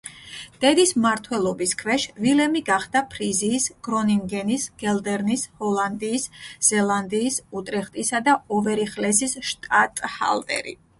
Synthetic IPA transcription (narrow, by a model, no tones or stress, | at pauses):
d̪̥ɛd̪ismaɾt̪ʰwɛlˠɔbiskʰvɛʃvilɛmiɡaχd̪̥apʰɾiziːsɡ̥ɾɔniŋɡɛnisɡ̥ɛlˠd̪ɛɾnishɔlˠand̪iːsz̥ɛlˠand̪iːsut̪ʼɾɛχt̪ʼisad̪aɔvɛɾiχlɛsisʃt̪ʼat̪ʼha̰lˠt̪ʼɛ̰ɾḭ